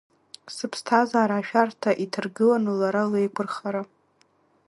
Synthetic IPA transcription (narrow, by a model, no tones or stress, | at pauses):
sɨpʰstʰazaːɾaːʃᶣartʰaʔitʰɨrɡɨlanɨlaɾalejkʷʰɨrχaɾa